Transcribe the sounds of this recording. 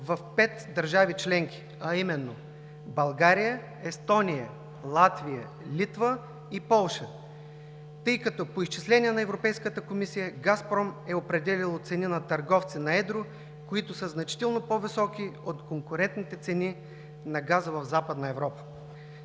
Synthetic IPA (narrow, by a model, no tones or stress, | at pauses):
vɐfpɛt̪d̪ɐɾʒavit͡ʃlɛŋki̥ | ɐimɛnːo | bɐlˠɡaɾijə | ɛst̪ɔnijə | lˠat̪vijə | lʲit̪və | ipɔlˠʃə | t̪ɤjkɐt̪ɔpoist͡ʃislɛnʲiɛnɐɛvɾopɛjskət̪əkomisijəɡaspɾɔmɛopɾɛd̪ɛlilˠot̪sɛninɐt̪ɐɾɡɔft̪sinɐɛd̪ɾo | koit̪ʊsəznɐt͡ʃi̥t̪ɛlˠnopovisɔkiot̪koŋkʊɾɛnt̪nit̪ɛt̪sɛni | nɐɡazəvɐvzapəd̪nɐɛvɾɔpə̥